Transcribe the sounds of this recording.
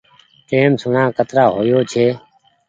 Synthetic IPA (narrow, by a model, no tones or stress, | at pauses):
ʈeːmsʊnãːkət̪ɾaːɦoːjoːt͡ʃʰeː